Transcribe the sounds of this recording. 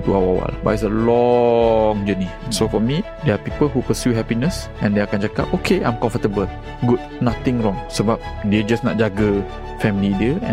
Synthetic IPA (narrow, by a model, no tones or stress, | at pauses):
t̪uawawa̰lba̰s̬əlɔ | ŋd͡ʒəninsofɔmi | dɛapipəlɦupəsjuɦɛpinəsʔɛ̃ndeakãnd͡ʒaka̰p̚okʰeʔã̰j̃mkɔ̃ɱfət̪əbəl | ɡut̚nat̪ɪ̃ŋɹɔ̃ŋsəbap̚ded͡ʒasnɔ̰t̚d͡ʒaɡə | fɛmilidiəɛ̃